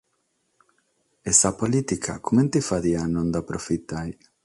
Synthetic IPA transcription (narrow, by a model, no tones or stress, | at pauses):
esapolit̪ikʰakomẽnt̪ifaðianõnd̪apɾofit̪aj